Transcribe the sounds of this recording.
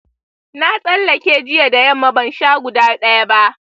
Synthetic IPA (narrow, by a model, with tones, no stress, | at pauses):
na˦sʼɐ˦lːɐ˨kʲeː˦d͡ʒɪ˦ja˨da˨jɐ˦˨mːa˦bɐ˨nʃaː˦ɡʷʊ˨daː˦ɗɐ˦ja˦ba˦ʔ